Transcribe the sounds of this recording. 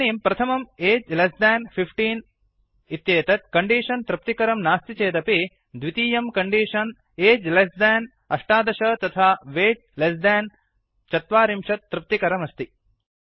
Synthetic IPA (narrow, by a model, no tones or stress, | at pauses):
iːmpɾɐt̪ʰɐmɐmeːd͡ʒlɐsd̪aːnpʰipʰʈiːn | it̪jeːt̪ɐt̪̚kɐɳɖiːʂɐnt̪ɾɨp̚t̪ikɐɾɐmnaːst̪it͡ʃeːd̪ɐpi | d̪ʋit̪iːjɐmkɐɳɖiːʂɐn | eːd͡ʒlɐsd̪ɛːn | ɐʂʈaːd̪ɐʃɐt̪ɐt̪ʰaːʋeːɖ̚lɐsd̪aːn | t͡ʃɐt̪ʋaːɾimʂɐt̪ːɾɨp̚t̪ikɐɾɐmɐst̪i